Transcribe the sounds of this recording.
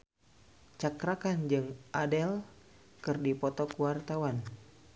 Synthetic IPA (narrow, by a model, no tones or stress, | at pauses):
t͡ʃakɾakand͡ʒɨŋʔadɛl | kɨrdipɔt̪ɔkuwart̪awan